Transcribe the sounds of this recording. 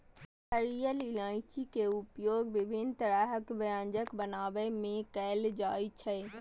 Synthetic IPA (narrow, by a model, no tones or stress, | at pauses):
əɾijəlɪlãːɪ̃t͡ʃikeʊpjoːɡʋɪbʱɪnt̪əɾaːɦəkʋɐjãːɲd͡ʒəkbənaːʋəmẽkɛːld͡ʒaːit͡ʃʰə